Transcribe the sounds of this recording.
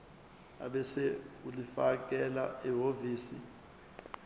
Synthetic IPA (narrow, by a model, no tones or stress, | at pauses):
a̰ɓɛsɛulifak̬ʼɛlaɛɦoviːsḭ